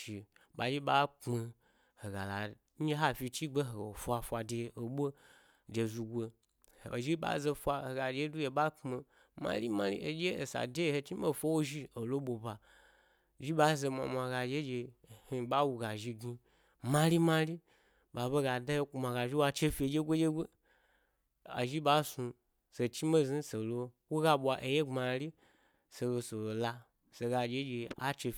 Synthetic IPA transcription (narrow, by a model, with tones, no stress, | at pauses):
ʃi˨ | ɓa˨d͡ʒi˦ɓa˦k͡pme˧ | ho˨ɡa̰˨la̰˨˦ | e˦ɦa˦fʲi˧t͡ʃi˦ɡ͡be˦ɦo˨o˨fʷa˧fʷa˨de˧˨o˨ɓʷo˦ | d͡ʒe˨zu˧ɡʷe˧˨ | o˨ʒi˦ɓa̰˦ze˧fʷa˧he˨ɡa˨d͡ʒe˦du˦je˧ɓa˦k͡pme˧ | mã̰˦li˦mã˦lḭ˦e˨d͡ʒe˦e˨sa̰˨de˦˨he˧t͡ʃi˦o˦˨fʷo˦wo˦ʒi˦o˨lo˦ɓo˨ba˨ | ʒi˦ɓa˦ze˧ma̰˨ma˨ɡa˧˨d͡ʒe˦d͡ʒe˧˨hi˧ɓa˦wu˧ɡa˨ʒi˧ɡi˧ | mã˦li˦mã˦li˦ | ba˨bo˦ɡa˨da˦je˦ku˨˧ma˨ɡa˨ʒi˦wa˧t͡ʃe˦fi˧e˨˧d͡ʒe˦ɡʷo˦d͡ʒe˦ɡʷo˦ | a̰˨ʒi˦ɓa˨˦su˧ | se˨t͡ʃi˦me˦zi˦se˨lo˧wo˦ɡa˧ɓʷa˧ʔe˧je˦ŋ͡ma˨li˦ | se˧ɡo˧so˨o˨la˧ | se˨ɡa˧d͡ʒe˦d͡ʒe˧a˦t͡ʃe˧